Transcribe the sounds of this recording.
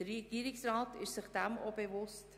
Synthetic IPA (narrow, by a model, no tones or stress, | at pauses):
əeɡ̥iːɾɪksraːtɪʃsɪχd̥æmobevʊst